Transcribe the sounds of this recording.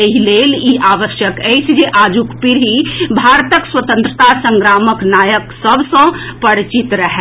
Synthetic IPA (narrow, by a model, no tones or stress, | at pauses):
eɦileːliʔaːʋəʃjəkɛisd͡ʒeʔaːd͡ʒukpiɾɦibʱaːɾt̪əkswət̪ə̃nt̪ɾət̪asə̃ŋɡɾaːməknaːjəksəbsə̃pəɽt͡ʃit̪ɾəɦɛ